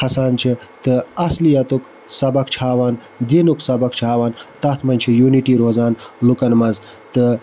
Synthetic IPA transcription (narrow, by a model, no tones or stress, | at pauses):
ɐsaːnt͡ʃʰit̪ɨɐslijɐt̪uk | sɐbɐkt͡ʃʰaːwaːn | d̪inuksɐbɐkt͡ʃʰaːʋaːnt̪ɐt̪ʰmɐnʲt͡ʃʰijuːniʈiːɾoːzaːnlukɐnmɐz | t̪ɨ